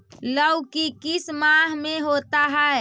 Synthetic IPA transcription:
ləwkikɪsmãɦmeɦot̪aɦɛe

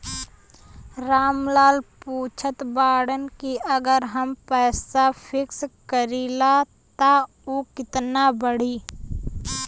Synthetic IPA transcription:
ɾaːmlaːlpuːt͡ʃʰət̪baːɽənkiəɡəɾɦəmpɛːsapʰɪkskəɾila | t̪a | oːkɪt̪nabəɽ̤iː

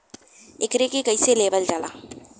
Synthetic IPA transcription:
ekɾekekəjseleːbəld͡ʒalaː

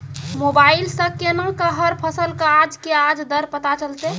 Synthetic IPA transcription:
mobailsə̃kenakəɦəɾpʰəsəlkaːd͡ʒkead͡ʒd̪əɾpət̪at͡ʃəlt̪e

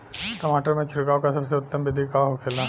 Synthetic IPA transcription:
ʈɐmaːʈəɾmẽt͡ʃʰɪɽkaːokasɐbseʊt̪ːəmbɪd̪ʱikaɦokʰeːla

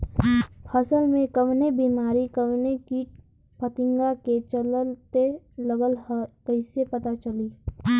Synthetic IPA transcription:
pʰɐsəlmẽkɐʋnebiːmaːɾikɐʋnekiːʈ̚ | pət̪ɪ̃ŋɡaket͡ʃɐləlt̪e | lɐɡəlhəkɐɪsepɐt̪at͡ʃɐliː

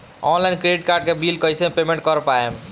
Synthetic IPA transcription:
ɔnlajnkɾeɖiʈkaɾɖkebilkəjsepemẽɳʈkəɾpae

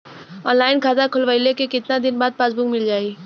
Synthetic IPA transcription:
ɔːnlaːɪnkʰaːt̪akʰʊlʋəɪlekekɪt̪nad̪ɪnbaːd̪̚paːsbukmɪld͡ʒaːiː

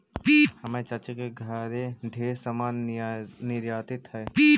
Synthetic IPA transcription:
piːhɐmẽt͡ʃɐt͡ʃəkeɡʱaːɾeɖʱeːɾsɐmaːnː | ɪɾjaːt̪ɪt̪ɦɛːpiː

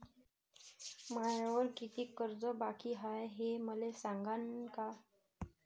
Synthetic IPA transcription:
majaʋəɾkit̪iːkəɾd͡zɔbakiɦajɦeməlesãŋɡanka

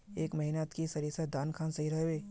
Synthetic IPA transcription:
eːkmɐɦinat̪kisɐɾiɾsed̪aːnkʰaːnsɐɦiɾɐɦeeː

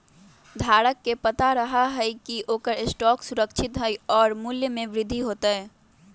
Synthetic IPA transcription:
d̪ʱaːɾəkːepət̪aɾəɦaɦɛikioːkəɾɪsʈɔːksʊɾəkt͡ʃʰɪt̪ɦɛiɔːɾmuljəmẽʋɾɪd̪ʱːiɦoːt̪aɦɛː

